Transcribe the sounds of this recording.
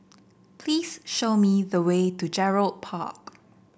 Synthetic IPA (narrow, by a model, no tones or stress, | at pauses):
pʰliːsʃomiðəwetud͡ʒɛɹəld̚pʰa̰k